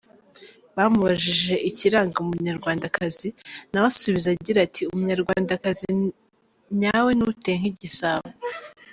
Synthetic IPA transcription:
βamuβaʒiʒe̞ʔiciɾaːŋɡaumuɲaɾɡwaːndakʰazinawasuβizaɟiɾatʰiumuɲaɾɡwaːndakazi | ɲawe̞nuteŋ̥iɟisaβo

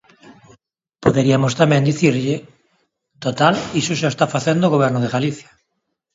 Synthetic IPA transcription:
poðeɾiamost̪amɛ̃nd̪iθiɾʎɪ | t̪ot̪alisoʃaest̪afaθend̪oɣoβ̞ɛɾnoðeɣaliθjḁ

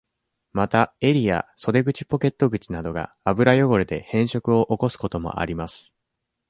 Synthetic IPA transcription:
mat̪ae̞ɾʲia̰so̞d̪e̞ɡɯ̟t͡ɕi̥po̞ke̞t̪ːo̞ɡɯ̟t͡ɕinad̪o̞ɡa̰ːbɯ̟ɾajo̞ɡo̞ɾɯd̪e̞hẽ̞ɰ̃ɕo̞kɯ̟o̞ʔoko̞sɨ̥ko̞t̪o̞mo̞̰ʔa̰ɾʲimasɨ̥

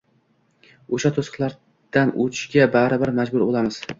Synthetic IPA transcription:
oʃat̪ʰosɨ̥qlˠaɾ | d̪̥anʔʊ̰t͡ʃɡʲabaɾɪbɪɾmad͡ʒbʊɾbolˠamɪz̥

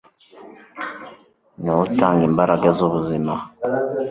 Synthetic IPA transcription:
nawutaːŋɡiːmbaɾaɡazuβuzima

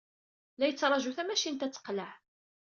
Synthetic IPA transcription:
læjət͡sːɾˤɑʒuθæmæʃint̪æt͡sːə̥qləʕ

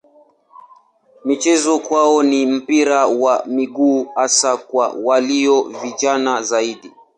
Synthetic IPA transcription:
mit͡ʃɛzɔkwaɔnim̩piɾawamiɡuːhasakwa̰waliɔvid͡ʒanazaiɗi

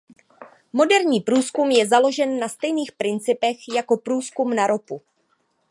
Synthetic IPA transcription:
mo̞dɛɾɲiːpɾuːskumjɛzalo̞ʒɛnːast̪ɛjniːxpɾɪnt͡sɪpɛxjako̞pɾuːskumnaɾo̞pu

